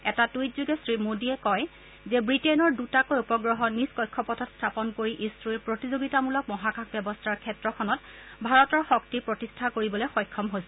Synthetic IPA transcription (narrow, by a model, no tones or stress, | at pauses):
ɛtatujtzuɡɛsɹimodiɛkɔj | zɛbɹitɛnɔɹdutakojupɔɡɹɔɦɔniskɔjkʰːɔpɔtʰɔtstʰapɔnkoɹiʔisɹuiɹpɹotizoɡitamulɔk̚mɔɦakʰakbɛbɔstʰaɹkʰɛtɹɔkʰɔnɔt̚ | bʱaɹɔtɔɹxɔktipɹɔtistʰakoɹibɔlexɔjkʰːɔmɦojsɛ